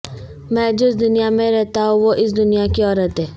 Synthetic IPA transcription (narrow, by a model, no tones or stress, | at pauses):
mɛ̃ːd͡ʒʊɪs̬d̪ʊnijamẽɾɛɦt̪aɦũʋoʔɪs̬d̪ʊnijakiɔːɾət̪ɦɛː